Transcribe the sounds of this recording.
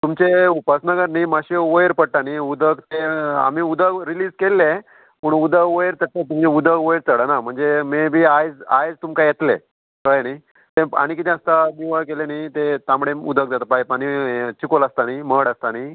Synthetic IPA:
t̪umt͡ɕeupasnəɡəɾnimaɕeʋojɾpəɽʈaniud̪əkt̪ea̰miud̪əɡɾiliːd͡zkelːẽ | pəɳud̪əkʋojeɾt̪ət̪at̪umiud̪ʱəkʋojɾt̪əɽənam̤əɳd͡zemebʱiːajd͡zajd͡zt̪umkajet̪lḛ | kəɭeni | t̪ẽa̰ɽ̃ikit̪̬ɛ̃əst̪aniʋəkelenat̪et̪ãmɽeṵd̪ək̚d͡zat̪əpajpaɽ̃it͡ɕikoləst̪animəɽəst̪ani

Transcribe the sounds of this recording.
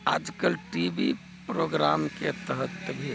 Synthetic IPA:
a̰d͡ʒkəlʈibḭ | pɾoɡɾamket̪əɦət̪ːbʱi

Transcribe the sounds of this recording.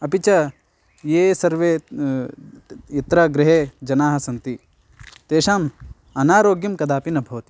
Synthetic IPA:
ɐpit͡ʃɐ | jeːsɐɾʋeː | it̪ɾɐɡɾɪɦeːd͡ʒɐnaːɦɐsɐnt̪i | t̪eːʃaːm | ɐnaːɾoːɡjɐmkɐd̪aːpinɐbʱɐʋɐt̪i̥

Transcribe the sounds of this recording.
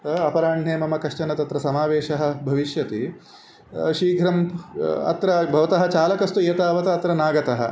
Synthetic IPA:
ɐpɐɾaːɳɖʰʱɳeːmɐmɐkɐʂʈɐnɐt̪ɐt̪ɾɐsɐmaːʋeːʃɐɦɐ̆bʱɐʋiʃjɐt̪i | ʃiːɡʱɾɐmɐ̰t̪ɾɐbʱɐʋɐt̪ɐɦɐ̆t͡ʃaːlɐkɐst̪ueːt̪aːʋɐt̪ɐːt̪ɾɐnaːɡɐt̪ɐɦɐ̰

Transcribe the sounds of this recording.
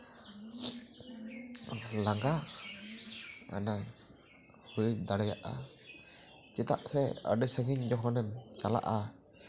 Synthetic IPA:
laŋɡa | a̰na | hud̪aɽɛja̰ʔa̰ | t͡ʃɛt̪a̰ʔsɛə̰ɖəsəŋiɲd͡ʒɔɦɔnɛmt͡ʃala̰ʔa

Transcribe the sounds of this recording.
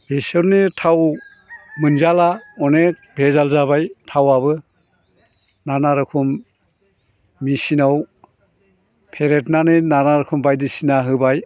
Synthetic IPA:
bisɯɾnɯtʰaw | mɯnzalaɔnek̚bʱezalzaβajtʰawaβɯ | nanaɾɯkʰum | isinaw | pʰeɾetnanɯnanaɾɯkʰumbajdisinaɦɯbaj

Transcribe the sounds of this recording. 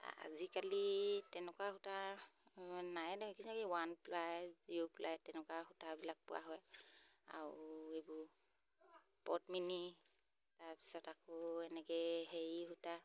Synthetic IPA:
a̰zikalitɛnɛkwaxuta | najnkisakiwanplajziuplajtɛnɛkwaxutabilak̚pʊ̰a̰ɦɔja̰ɹʊejbʊɹ | pɔ̰tmini | taɹpi̥sɔtakɔɛnɛkɛjɦejihuta

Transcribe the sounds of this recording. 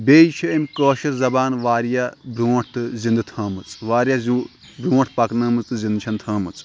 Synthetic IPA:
beːjt͡ʃʰiimʲkoːʃɐɾzɐbaːnʋaːɾjabɾuːʈʰt̪ɨzind̪ɨt̪ʰãːmɨt͡sʋaːɾjazu | bɾũːʈʰpɐknɐːmɨt͡sɨzĩnd̪t͡ʃʰɐnt̪ʰaːmɨt͡s

